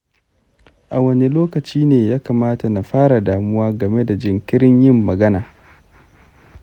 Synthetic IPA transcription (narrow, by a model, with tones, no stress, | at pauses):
ʔa˨wɐ˦ne˦loː˦kɐ˨t͡ʃiː˦neː˨jaː˦kaː˨maː˦ta˨na˨ɸaː˦ɽa˨daː˨mʊ˦waː˦ɡɐ˨me˦da˨d͡ʒɪ˨ŋkʲɪ˦ɾɪ˦ɲjɪ˦mːɐ˨ɡɐ˦naː˨